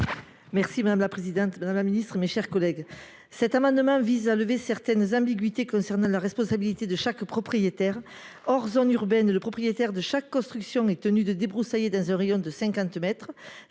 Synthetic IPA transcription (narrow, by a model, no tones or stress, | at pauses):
mɛʁsimad̪amlapχezid̪ɑ̃t̪mad̪amlaminist̪χəmeʃɛʁkɔlɛɡ | sɛt̪amɑ̃d̪əmɑ̃vizaləvesɛʁt̪ɛnzɑ̃biɡɥit̪ekɔ̃sɛʁnɑ̃laʁɛspɔ̃sabilit̪ed̪əʃakpχɔpχijet̪ɛʁ | ɔʁzɔnyʁbɛnləpχɔpχijet̪ɛʁd̪əʃakːɔ̃st̪χyksjɔ̃ɛt̪ənyd̪əd̪ebʁusajed̪ɑ̃zɛ̃ʁejɔ̃d̪əsɛ̃ŋkɑ̃t̪mɛt̪χə